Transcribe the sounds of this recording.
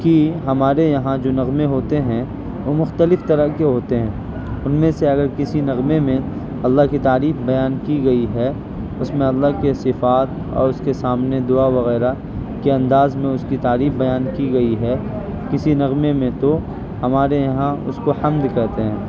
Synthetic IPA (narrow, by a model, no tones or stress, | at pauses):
kiɦɐmaːɾejɐɦãd͡ʒoːnɐɣmeɦoːt̪eɦɛ̃ | ʋomʊxt̪əlɪft̪ɐɾəkeɦoːt̪eɦɛ̃ː | ʊnmẽseɐɡəɾkɪsinɐɣmemẽ | ɐlːaɦkit̪aːɾiːfbɐjaːnkiɡɐiɦɛ | ʊsmẽɐlːaɦkesɪfaːt̪̚ | ɔ̰ːɾʊskesaːmned̪ʊaʋɐɣɛːɾa | keɐ̃nd̪aːzmẽʊskit̪aːɾiːfbɐjaːnkiɡɐiɦɛː | kɪsinɐɣmemẽt̪o | hɐmaːɾejɐɦãʊ̰skoħɐmd̪kɐɦt̪eɦɛ̃ː